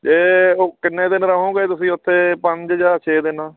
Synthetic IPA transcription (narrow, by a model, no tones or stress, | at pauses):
d͡ʒeːoːkɪnːẽːd̪ɪnɾaːɦõːɡeːt̪ʊsĩːʊt̪ʰːeːpəɲd͡ʒd͡ʒaːt͡ʃʰeːd̪ɪnaː